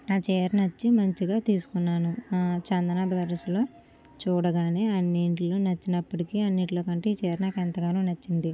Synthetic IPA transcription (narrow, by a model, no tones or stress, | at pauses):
aːt͡ʃɛːɾnɐt͡ʃːimɐɲt͡ʃiɡaːt̪iːsu̥kunːaːnut͡ʃɐnd̪ɐnaːbɐd̪ɐɾɐslo̞ː | t͡ʃuːɽɐɡaːneːɐnːiɳʈlo̞ːnɐt͡ʃːinɐpːɐʈikiːɐnːiɳʈloːkɐɳʈeːiːt͡ʃɛːɾnaːkent̪ɐɡaːnuːnɐt͡ʃːind̪i